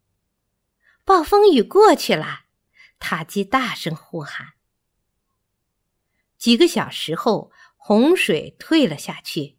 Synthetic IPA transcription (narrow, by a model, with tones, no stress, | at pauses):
pɑ˥˩ʊfɤ˥ŋy˨˩kwɔ˥˩t͡ɕʰy˥˩lɐ˨˩ | t̪ʰa˨˩t͡ɕi˥t̪a˥˩ʂɤ˥ŋxu˥˩xa˨˩˦n | t͡ɕi˨˩ɡə˦ɕjɑ˨˩ʊʂɻ̩˧˥xo˥˩ʊ | xʊ˧˥ŋʂwe˨˩ɪt̪ʰwe˥˧ɪlə˩ɕja˥˧t͡ɕʰy˥˩